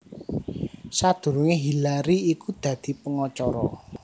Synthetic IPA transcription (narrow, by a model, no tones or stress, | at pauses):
sad̪̥ṳɾuŋeɦilaɾiikud̪̥ä̤d̪̥i̤pəŋɔt͡ʃɔɾɔ